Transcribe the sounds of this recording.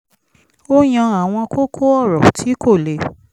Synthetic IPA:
o˦j̃ã˧a˦˨w̃ɔ̃˧ko˦kʰo˦ɔ˦˨ɾɔ̃˨tʰi˨˦ko˦˨le˨

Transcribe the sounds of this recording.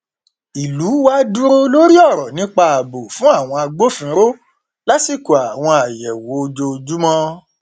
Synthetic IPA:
i˨lu˨˦wa˦dũ˦ɾo˧lo˦ɾi˦ɔ˦˨ɾɔ˨nĩ˨˦k͡pa˧a˨bo˨fũ˦a˦˨w̃ɔ̃˧a˧ɡ͡bo˦fĩ˨˦ɾo˦ | la˦si˦˨ko˨a˨w̃ɔ̃˧a˨jɛ˨wo˨˦o˧d͡ʒo˧o˧d͡ʒu˦mɔ̃˦

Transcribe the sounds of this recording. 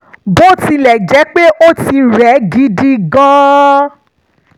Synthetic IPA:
bo˦˨ti˧lɛ˨d͡ʒɛ˨˦k͡pe˦ʔo˦ti˧ɾɛ˨˦ɡi˦di˦ɡɔ̃˦

